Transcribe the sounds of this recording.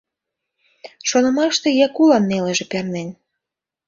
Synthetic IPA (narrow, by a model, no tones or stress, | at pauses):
ʃonɤ̆mɑʃt̪ĕjɑkulɑnːeleʒĕpʲernenʲ